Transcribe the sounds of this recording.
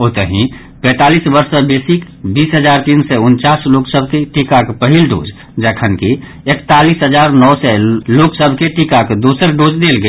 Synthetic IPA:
oːt̪əɦĩ | pɛ̃ːt̪aːliːsbəɾsəbeːsik | biːsɦəd͡ʒaːɾt̪iːnsɛʊnt͡ʃaːsloːksəbʱkeʈikakpəɦilɖo̰ːd͡ʒ | d͡ʒəkʰənki | ekt̪aːliːsɦəd͡ʒaːɾnɔːsɛloːksəbʱkeʈikakd̪oːsəɾɖoːd͡ʒd̪eːlɡəe

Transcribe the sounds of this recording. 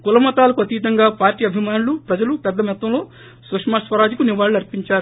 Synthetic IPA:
kulɐmɐt̪aːlɐkuɐt̪iʋit̪ɐŋɡaːpaːɾʈiːɐbʱimaːnulupɾɐd͡ʒɐlupɛd̪ːɐmɛt̪ːɐ̃mlo̞ː | sʋɐkʂmaːsʋɐɾaːd͡ʒikuniʋaːɭːuɐɾpiɲt͡ʃaːɾu

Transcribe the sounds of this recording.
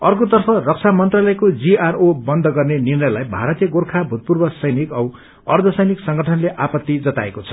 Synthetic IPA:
ʌrkot̪ʌrpʰʌrʌk̚t͡sʰamʌnt̪ralʌjkod͡ziarobʌnd̪ʱʌɡʌrnenirnʌjlajbʱaɾʌt̪ijʌɡorkʰabʱut̪̚purbʌsʌjnikʌw | ʌrd̪ʱʌsʌjniksʌŋɡʱʌʈʰʌnleʔapʌt̪ːid͡zʌt̪aekot͡sʰʌ̥

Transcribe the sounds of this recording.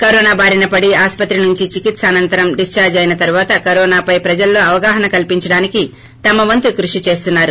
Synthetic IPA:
kɐɾoːnaːbʱaːɾinɐpɐɽiaːspɐt̪ɾinuɲt͡ʃit͡ʃikit̪sɐɐnɐnt̪ɐɾɐmɖist͡ʃaːɾd͡ʒɐjnɐt̪ɐɾuʋaːt̪ɐkɐɾɔːnaːpɐjpɾɐd͡ʒɐlːo̞ːɐʋɐɡaːɦɐnɐkɐlpiɲt͡ʃɐɽaːniki | t̪ɐmɐʋɐnt̪ukɾuʂit͡ʃe̞ːst̪unːaːɾu

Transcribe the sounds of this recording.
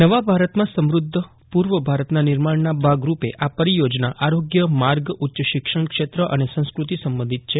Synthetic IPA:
nəʋabʱaɾət̪mãsəmɾud̪ʱːə | puɾʋəbʱaɾət̪nanɪɾmaɳnabʱaɡɾupeʔʔapəɾijod͡ʒnaʔaɾoɡjəmaɾɡutːt͡ʃəʃɪkʂəɳkʃet̪ɾəʔənesə̃skɾut̪isəmbə̃nd̪ʱit̪̚t͡ʃʰe

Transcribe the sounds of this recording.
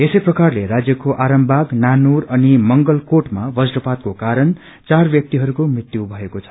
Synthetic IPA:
esʌjprʌkarleɾad͡zjʌkoʔaɾʌmbʱaɡnanuɾʌnimʌŋɡʌlkoʈmabʌd͡zrʌpat̪̚kokaɾʌn | t͡sarbjʌk̚t̪iɦʌɾukomrit̪jubʱʌekot͡sʰʌ̥

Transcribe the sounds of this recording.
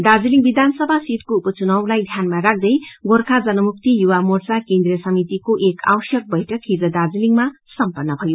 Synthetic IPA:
d̪ad͡ziliŋbid̪ʱansʌbʱasit̪̚koupʌt͡sunʌwlajd̪ʱjanmaɾak̚ʰd̪ʌjɡorkʰad͡zʌnʌmuk̚t̪ijuwamort͡sakend̪ɾrijʌsʌmit̪ikoʔekʰa̰wsjʌk̚bʌjʈʌkʰid͡zʌd̪ad͡ziliŋmasʌmpʌnːʌbʱʌjo

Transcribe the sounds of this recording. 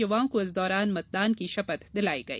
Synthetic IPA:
ɐwaːmkuɐzd̪ɔːɾɑːnmɐt̪̚d̪ɑːnkiʃɐpɐt̪d̪ɪlaːiɡɐḭ

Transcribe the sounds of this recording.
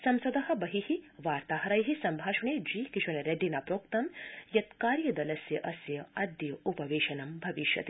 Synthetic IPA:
sɐmsɐd̪ɐɦɐ̆bɐɦihiʋaːɾt̪aːɦɐɾajɦisɐmbʱaːʃɐɳeːd͡ʒiːkiʃɐnɐɾɐɖinaːpɾoːk̚t̪ɐmjɐt̪kaːɾjɐd̪ɐlɐsjɐʔɐsjɐɐd̪jɐupɐʋeːʃɐnɐmbʱɐʋiʃjɐ̰t̪i

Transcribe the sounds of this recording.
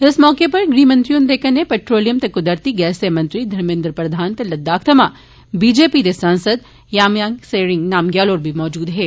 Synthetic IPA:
ɪsmɔːkepɐɾɡɾiːmɐ̃nt̪ɾijũnd̪eːkɐnːepeːʈɾoːlijəmt̪ekʊd̪əɾt̪iɡɛːsemɐ̃nt̪ɾid̪ʱɐɾmẽːnd̪ɾəpɾɐd̪ʱaːnt̪elɐd̪ːaːkʰt̪ʰɐma | biːd͡ʒeːpid̪esãːnsəd̪̚ | jaːmjãːŋɡseːɾɪ̃ŋɡnaːmɡjaːloːɾbʱimɔːd͡ʒuːd̪ɦeː

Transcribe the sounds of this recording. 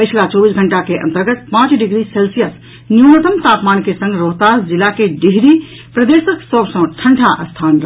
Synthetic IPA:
pəjt͡ʃʰlat͡ʃɔbisɡʱəɳʈakeʔə̰nt̪əɾɡət̪̚pãt͡ʃɖiɡɾiselsijəs | njunət̪əmt̪apmankesə̃ŋɡɾoɦt̪asd͡ʒilakeɖiɦɾi | pɾəd̪esəksəbsə̃ʈʰəɳʈʰaʔəst̪ʰanɾə

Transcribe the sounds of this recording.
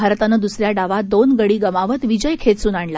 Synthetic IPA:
bʱaɾt̪anəd̪usɾjaɖaʋad̪onɡəɽiːɡəmaʋət̪ʋid͡ʑəjkʰet̪suːnaɳla

